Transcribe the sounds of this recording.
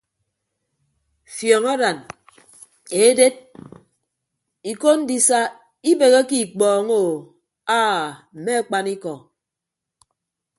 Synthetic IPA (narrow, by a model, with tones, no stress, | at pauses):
fjɔː˨ŋa˦da˨n | e˨˦de˦d̚ | i˨ko˦n̩˦di˦sa˦ | i˦be˨ɣe˦ki˦˨k͡pɔː˨ŋo˨ | aː˦m̩˨me˦a˦˨k͡pa˦ni˦kɔ˨